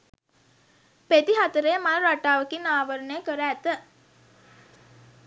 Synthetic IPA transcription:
pet̪iɦat̪əɾəjəmaɾaʈaːʋəkinaːʋəɾənəjəkəɾəæt̪ə

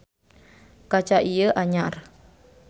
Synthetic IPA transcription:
kat͡ʃaʔijəʔaɲar

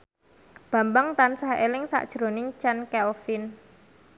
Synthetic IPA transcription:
b̥a̤mbaŋt̪ansaɦʔelɪŋsa̰ʔd̥ʒ̥ɾonɪŋt͡ʃankɛlfin

